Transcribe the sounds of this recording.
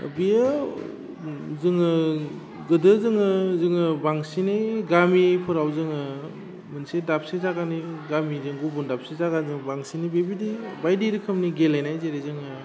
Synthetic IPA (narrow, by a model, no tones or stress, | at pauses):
bija | zɯŋɯ | ɡɯdɯzɯŋɯzɯŋɯbaŋsiniɡamipʰɯɾawzɯŋɯ | mɯnsedap̚sezaɡaniɡamizɯŋɡubundap̚sezaɡanzɯŋbaŋsinibebidibajdiɾikʰɯmniɡelajnajzeɾezɯŋɯ